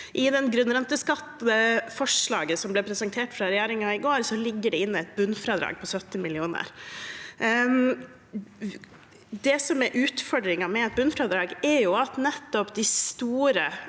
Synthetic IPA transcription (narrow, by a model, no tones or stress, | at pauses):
ʔɪd̪ɛnɡɾʉnɾɛnt̪əskɑt̪ːd̪əfɔʂɭɑ̰ːɡəsɔmblɛpʰɾɛsɛnt̪ʰeːʈfɾɑɾɛjæːɾɪŋɑɪɡoːɾsɔlɪɡːəɖɛɪnːəɛt̪̚bʉnfɾɑːd̪ɾɑ̰ːɡ̚pʰɔsœt̪ːɪmɪlɪuːnə̰ɾ | d̪ɛsɔmɛɾʔʉːt̪fɔɖɾɪŋɑmɛɛt̪̚bʉnfɾɑːd̪ɾɑːɡɛɾjʊɑt̪nɛt̪ːɔpd̪ɪst̪uːɾə